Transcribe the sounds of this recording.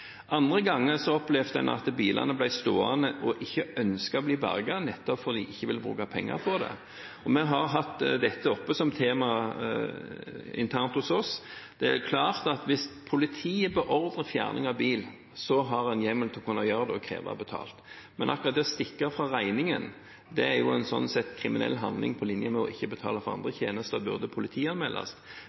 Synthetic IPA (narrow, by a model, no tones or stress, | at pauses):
ʔɑnd̪ʁəɡɑŋːəʁsɔɔplɛʋd̪ɛ̰nɑ̰t̪biːlɑ̰nəblæɪst̪oːɑ̰nəʔɔʔɪçːəœnskɑbliːbæ̰ʁɡɑnɛt̪ːɔpfɔʁd̪ɪʔɪçːəʋɪlbɾʉ̰ːkɑpʰɛŋːə̰ɾfʰɔʁd̪ɛ̰ | ɔmɛɦɑʁɦɑt̪ːd̪ɛt̪ːəɔpːəsɔmt̪ʰeːmɑ | ɪ̰nt̪ʰæʁnt̪hʊsɔsd̪̥ɛækʰlɑːʁt̪ɑt̪ʋɪspʰʊlɪt̪ʰiːəbəʔɔɾd̪ʁəfjæ̰ːʁnɪŋɑʋbiːl | sɔɦɑʁɛnjɛmːəlt̪ʰɪlɔkʉnːɑjøːʁəd̪ɛɔkʰɾḛːʋɑ̰bət̪ʰɑ̰ːlt̪ | mɛnʔɑkʊʁɑt̪̚d̪ɛɔst̪ɪkːəfʁɑʁæɪnɪŋən | d̪ɛæɾjʊɛnsɔ̰nːsɛt̪ːkʰɾɪmɪnɛ̰lːɦɑnd̪lɪ̰ŋpʰɔlɪnjəmɛɔʔɪçːəbət̪ʰɑ̰ːlɑfɔʁɑ̰nd̪ʁəçḛːnəst̪əbʉʁd̪əpʰʊlɪt̪ʰiːɑnmɛːlʔɑ̰s